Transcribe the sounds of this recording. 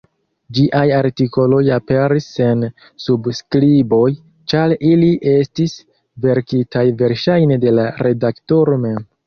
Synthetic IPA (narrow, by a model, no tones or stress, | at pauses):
d͡ʒiʔajaɾtiko̞lo̞jape̞ɾise̞n | subskɾibo̞j | t͡ʃaɾiliʔe̞stis | ve̞ɾkitʰajve̞ɾʃajnede̞laɾe̞dakto̞ɾo̞me̞m